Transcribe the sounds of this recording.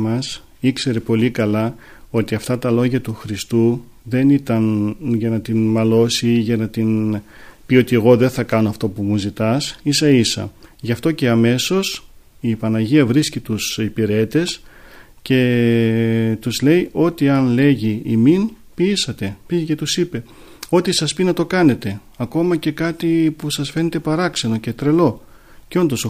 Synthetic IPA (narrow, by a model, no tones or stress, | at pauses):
mɐs | ikse̞ɾepo̞likɐlɐ | o̞t̪iɐft̪ɐt̪ɐlo̞ʝɐt̪uxɾist̪u | ðe̞nit̪ɐnʝɐnɐt̪inmɐlo̞siʝɐnɐt̪in | pio̞t̪ie̞ɣo̞ðe̞nθɐkɐnoɐft̪o̞pumuzit̪ɐsisɐisɐ̰ʝɐft̪o̞ce̞ɐme̞so̞s | ipɐnɐʝiɐvɾiscit̪usipiɾe̞t̪e̞s | ce̞ | t̪uzle̞jʔo̞t̪iɐnle̞ʝiːmin | piːsɐt̪e̞pice̞t̪usipe̞ | o̞t̪isɐspinɐt̪o̞kɐne̞t̪e̞ | ɐko̞mɐce̞kɐt̪ipusɐsfe̞net̪e̞pɐɾɐkse̞no̞ce̞t̪ɾe̞lo̞ | ceo̞nd̪o̞so